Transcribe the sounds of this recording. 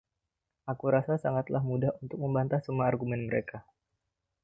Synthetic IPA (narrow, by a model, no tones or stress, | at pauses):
ʔakuɾasasaŋat̪lahmudahunt̪ʊk̚məmbant̪ahsəmuaːrɡumɛnməɾeka